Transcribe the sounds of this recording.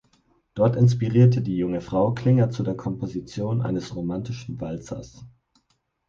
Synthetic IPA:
d̥ɔɐtɪns̬piʁiːɐtədiːjʊŋəfʁ̥aʊkʰl̥ɪŋɐt͡sudeːɐkʰɔmpozit͡sjoːnʔa̰ɪnəsʁomantɪʃn̩valt͡sɐ̰s

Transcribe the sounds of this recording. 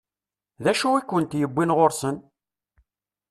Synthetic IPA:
ðæʃuikʷːənt̪jəbʷːinʁoɾsən

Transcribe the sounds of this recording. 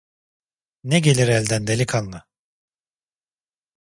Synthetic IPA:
nɛɟelʲiɾælʲd̪ænd̪elʲikʰanːa

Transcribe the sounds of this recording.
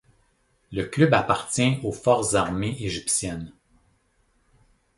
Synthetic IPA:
ləklybapaʁt͡sʲjɛ̃ofɔʁzaʁmeʔeʒipsjɛn

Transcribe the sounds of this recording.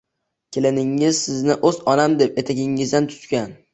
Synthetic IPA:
kʲʰelɪnɪŋːɪz̥sɪznɪʔɵzɒnamd̪e̞pe̞t̪ʰaɡʲɪŋɪzd̪ant̪ʰʊ̥t̪kʲan

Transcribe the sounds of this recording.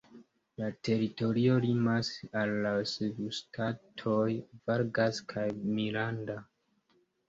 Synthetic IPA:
late̞ɾito̞ɾio̞limasalːasevustʰatʰo̞jvaɾɡaskʰajmilanda

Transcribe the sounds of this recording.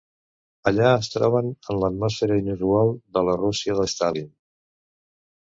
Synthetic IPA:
əʎaəst̪ɾɔβənənlət̪mɔsfeɾəinuzualˠd̪ələrusiəðəst̪alin

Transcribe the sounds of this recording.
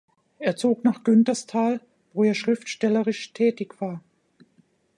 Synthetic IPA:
ʔeːɐt͡soːknaːχɡ̥ʏntɐstʰaːl | v̥oːeːɐʃʁ̥ɪftʃtɛləʁɪʃtʰɛːtɪçv̥aːɐ

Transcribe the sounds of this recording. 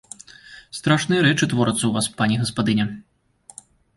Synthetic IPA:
st̪ɾaʂnɨjɐɾɛt͡ʂɨt̪vɔɾɨt̪sːɐwvaspanʲɛɣɐspad̪ɨnʲɛ

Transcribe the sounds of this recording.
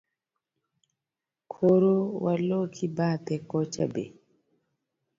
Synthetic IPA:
kʰoɾowʔalokʰibat̪ɛkɔt͡ʃa̰bḛ

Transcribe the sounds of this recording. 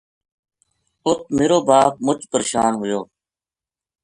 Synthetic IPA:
ʊt̪̚ʰmeːɾoːbaːp̚mʊt͡ʃpəɾʃaːnɦʊjoː

